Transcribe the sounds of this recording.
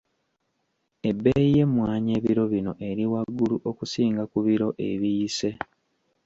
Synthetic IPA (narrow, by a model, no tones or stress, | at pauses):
e̞bːeije̞mwaːɲe̞ːβiɾo̞βino̞ʔe̞ɾiwaɡːuluʔokusiːŋɡakuβiɾo̞ʔe̞̰βijːse̞